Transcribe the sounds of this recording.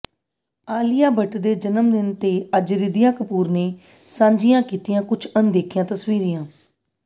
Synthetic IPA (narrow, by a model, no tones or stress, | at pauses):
aːlɪjaːbəʈd̪eːd͡ʒənəmd̪ɪnt̪eːəd͡ʒɾɪd̪ɪjãːkəpuːɾneː | sãːɲd͡ʒɪjãːkiːt̪ɪjãːkʊt͡ʃʰənd̪eːkʰɪjãːt̪əsʋiːɾijãː